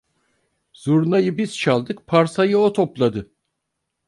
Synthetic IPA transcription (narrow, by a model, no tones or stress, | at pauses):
z̥uɾnajɯbiz̥t͡ʃʰalˠd̪ɯkpʰaɾsajɯot̪ʰo̞plˠad̪ɯ